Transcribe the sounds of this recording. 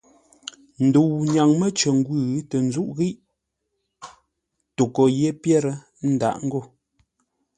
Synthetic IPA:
n̩˨du˨wɲa˨ŋmə˦t͡ʃə˨ŋ˦ɡwʉ˦˨ɣtə˨n˦zu˦ʔɣi˦ʔ | to˨kɔ˨je˦pjɛ˦ɾə˦ | n̩˦da̰˨ʔŋ̩˦ɡo˦˨

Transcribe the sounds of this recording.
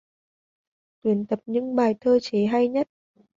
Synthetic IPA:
t̪wi˨˦ənt̪ə˨˩p̚ɲɨ̰˧˥ŋɓaː˨˩jt̪ʰəː˧t͡ɕe˨˦ɦa˧jɲə˦˥t̚

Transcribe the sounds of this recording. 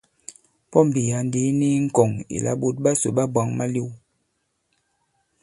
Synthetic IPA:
pɔ˦m̩˨bi˨ja˨n˦di˨˦ni˦ŋ̩˦kɔ˨ŋḭ˨lʔa̰˨˦ɓu˦t̚ɓa˦so˨ɓa˦ba˨˦ŋma˦li˦w

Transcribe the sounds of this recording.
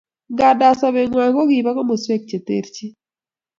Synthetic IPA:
ɡa˨da˨sa˨βe˨ŋwa˨kɔ˦ɡi˨ba˦kɔ˦mo˨swe˦k̚t͡ʃe˨t̪ḛ˦˨ɾt͡ʃi˦

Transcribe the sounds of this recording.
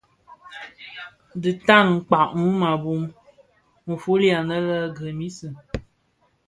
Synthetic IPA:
dɨ˨ta˦˨n˨ŋ̩˨k͡pa˨ʔŋu˦ma˨bu˦m | m̩˨fu˦li˦a˨nə˦lə˦ɡə˨mi˦sɨ˨

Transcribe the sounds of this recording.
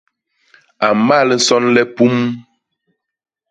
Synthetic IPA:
a˨ma˦˨lə˨˦sɔ˦nlɛ˦pu˦m

